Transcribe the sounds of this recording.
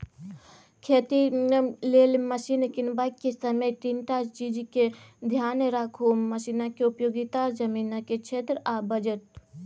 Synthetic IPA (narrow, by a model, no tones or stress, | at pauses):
kʰeːt̪ileːlmɐʃiːnkɪnbakːesɐməjʈinʈaːd͡ʒt͡ʃid͡ʒiked̪ʱjaːnɾakʰomɐʃiːnakeʊpjoːɡit̪aɾd͡ʒɐmiːnaket͡ʃʰeːt̪ɾabɐd͡ʒət̪̚